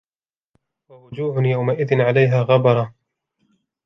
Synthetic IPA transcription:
wawʊd͡ʒuːʕʊnjawmaʔɪðɪnʕalajɦaːɣɑbɑɾˤɑ

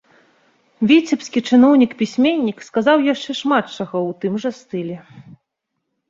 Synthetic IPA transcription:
vʲit͡sʲipskʲit͡ʂɨn̪ɔwnʲikpʲisʲmʲenʲːikskazawjaʂt͡ʂɛʂmat̪t͡ʂɐɣɐwt̪ɨmʐɐst̪ɨlʲɛ

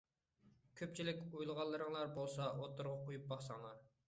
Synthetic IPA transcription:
kʲʰøp̚t͡ʃʰilɪkʲojlˠʁɑlˠːɨɾəŋlˠɑɾbolˠsɑʔot̪ːʊɾʁɑqʰojup̚bɑχsɑŋlˠɑɾ

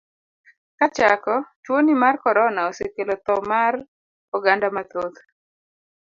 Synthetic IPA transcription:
kat͡ʃakɔt͡ʃwonimarkɔɾɔnaosekelɔt̪ɔmar | ɔɡandamat̪od̪

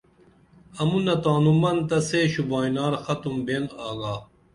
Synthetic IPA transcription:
ɐmunɐt̪aːnumɐnt̪ɐseːɕubaːinaːɾxɐt̪umbeːnaːɡaː

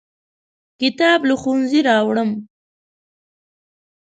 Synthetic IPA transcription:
kɪt̪ɑbluxunziɾɑwɽəm

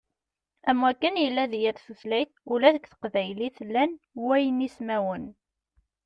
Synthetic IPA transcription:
æmwækːənjəlːæðjæɾθuθlæjθulæθəkːθə̥qvæjliθəlːæn | wæjənismæwən

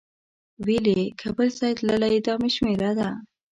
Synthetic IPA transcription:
welekʰabəlsɑjt̪lalaɪd̪ɑmiʃmeɾad̪a

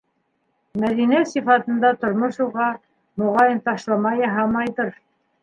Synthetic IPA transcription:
mæðinæsifɑt̪ɤ̆nd̪ɑt̪ŏɾmoʃuʁɑ | mŏʁɑjɤnt̪ɑʃlˠɑmɑjɑɦɑmɑjðɤɾ

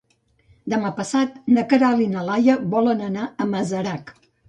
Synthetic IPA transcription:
d̪əmapəsat̪nəkəɾalinəlajəβɔlənənaəməzəɾak

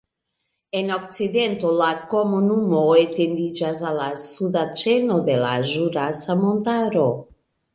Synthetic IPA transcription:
eno̞k̚t͡side̞nto̞lako̞munumo̞etendid͡ʒasalasudat͡ʃe̞no̞d̪e̞la̰ʒuɾasamontaɾo̞

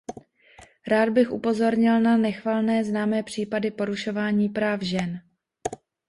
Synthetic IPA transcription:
ɾaːd̪̚bɪxʔupo̞zo̞ɾɲɪlnanɛxvalnɛːznaːmɛːpr̝̥iːpadɪpo̞ɾuʃo̞vaːɲiːpɾaːfʒɛn

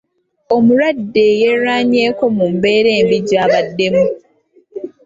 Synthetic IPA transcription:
o̞muɾadːejeɾaːɲeːko̞mumbeːɾe̞ːmbiɟaβadːe̞mu

